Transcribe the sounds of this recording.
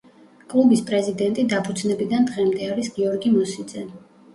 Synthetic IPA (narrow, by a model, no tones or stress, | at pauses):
kʼlˠubispʼɾɛzid̪ɛnt̪ʼid̪apʰud̪znɛbid̪and̪ʁɛmd̪ɛaɾisɡiɔɾɡimɔsid̪zɛn